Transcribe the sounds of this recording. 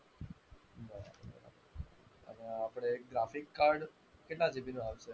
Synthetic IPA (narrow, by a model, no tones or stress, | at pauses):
bəɾa̰bə̰ɾa̰ | ə̰neapɽ̃eɡɾafikːaɾɽ | keʈlad͡zibinoaʋse